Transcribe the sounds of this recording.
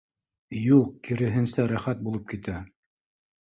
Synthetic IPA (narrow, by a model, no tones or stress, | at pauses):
julˠq̚kiɾɘ̆ɦɘ̆nsæɾæχæt̪̚bulˠɤp̚kit̪æ